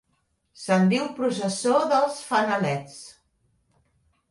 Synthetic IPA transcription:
sənd̪iwpɾusəsoðəlˠsfənəlɛt͡s

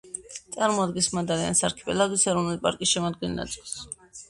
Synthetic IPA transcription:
t̪sʼaɾmɔad̪ɡɛnsmad̪aɾia̰nsaɾkʰi̥pʼɛ̰laɡisɛɾɔvnulipʼaɾkʼisʃɛmɔd̪ɡɛnːa̰t̪sʼilˠs

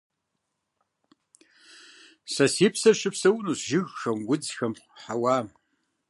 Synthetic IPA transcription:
sɐsiːpʰsɐʃɪpsɐwnuːsʒɪɣxɐmɡʷʊd͡zxɐmχʷħawaː

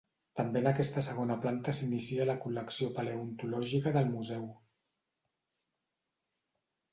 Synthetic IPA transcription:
t̪əmbeənəkɛst̪əsəɣ̞onəplant̪əsinisiələkuləksiopəleunt̪ulɔʒikəðəlˠmuzɛw

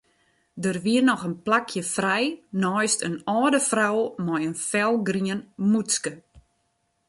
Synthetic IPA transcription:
dərʋiərnɔxənplakʰjəfrɛjnɔjstənɔːdəfrawmɔjənfɛlˠɡriənmuskə

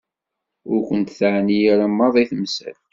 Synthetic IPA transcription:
ʊɾkʷənt̪θaʕnijaɾamːɑðˤiθmsæ̰l

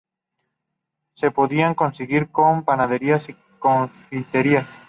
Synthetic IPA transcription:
se̞poðiaŋko̞nseɣiɾkompanaðeɾias | konfiθeɾias

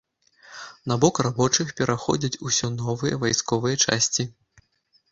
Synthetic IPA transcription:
nabɔkrabɔt͡ʂɨxpʲɛɾʔaxɔ̰d͡zʲɐt͡sʲusʲɔnɔvɨjɐ̰vajskɔvɨjɐt͡ʂa̰sʲt͡sʲi

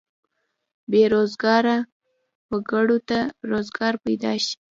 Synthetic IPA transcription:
beɾozɡɑɾa | wəɡaɽot̪aɾozɡɑɾpajd̪ɑ̰ʃi̥

